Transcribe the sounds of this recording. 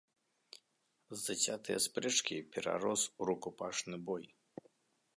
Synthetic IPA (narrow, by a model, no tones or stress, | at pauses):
zdat͡ɕʲat̪ɨjɐ̰spɾɛt͡ʂkʲipʲɛɾa̰ɾɔsuɾukupaʂnɨbɔj